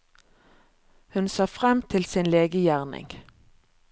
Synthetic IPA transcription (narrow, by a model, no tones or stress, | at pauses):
hʉnsɑːfʁɛmt̪ʰɪlsinleːɡəjæːʁnɪ̰ŋ